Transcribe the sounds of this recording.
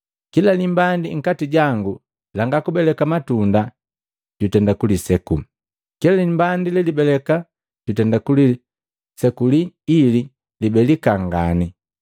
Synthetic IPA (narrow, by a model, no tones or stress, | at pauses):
kilalimbandiŋ̩katiɟaŋɡu | laŋɡakubɛlɛkamatunda | ɟutɛndakulisɛkum | kilalimbandilɛlibɛlɛka | ɟutɛndakuli | sɛkuliːli | libɛlikaŋɡani